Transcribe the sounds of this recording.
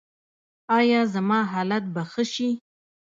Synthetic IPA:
ɑjɑzamɑɦɑlat̪̚baxəʃi

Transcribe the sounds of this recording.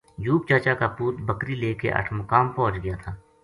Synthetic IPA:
d͡ʒuːp̚t͡ʃaːt͡ʃakapuːt̪bəkɾileːkḛʔɐ̰ʈʰmʊkaːmpɔ̃ɦt͡ʃɡɐjat̪ʰaː

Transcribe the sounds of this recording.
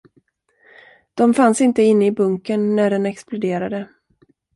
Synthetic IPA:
d̪̥ɔmfansɪnt̪əɪnːəɪbɵŋkənːæɖɛnɛksplʊd̪eːɾad̪ə

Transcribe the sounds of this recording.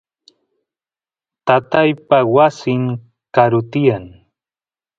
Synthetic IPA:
t̪at̪ajpawasɪŋ | kaɾʊt̪ɪjaŋ

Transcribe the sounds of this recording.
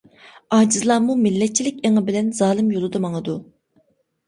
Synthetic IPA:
ɑːd͡ʒizlˠɑːmumilːɛt̪̚t͡ʃʰilɪk̚ʲeŋɨbɪlɛnzɑːlˠɨmjolˠɨd̪ɑmɑŋɨd̪u

